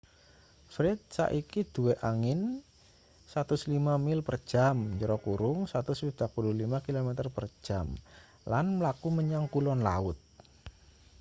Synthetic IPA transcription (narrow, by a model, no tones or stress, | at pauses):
fɾɪt̪̚sa̰ʔikid̪̥uweʔaŋɪn | sat̪ʊslimamɪlpər̥ʒ̥amɲd͡ʒəɾɔkuɾʊŋsat̪ʊsid̥aʔpululimakilomɛt̪ərpər̥d͡ʒʒ̥am | lanməlakuməɲaŋkulɔnla̰ʊt̪̚